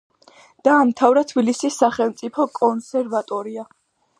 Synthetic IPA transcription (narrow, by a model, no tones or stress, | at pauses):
d̪̥aːmt̪ʰavɾat̪ʰbilisisːaχɛlˠmt̪sʼipʰɔkʼɔnsɛɾvat̪ʼɔɾia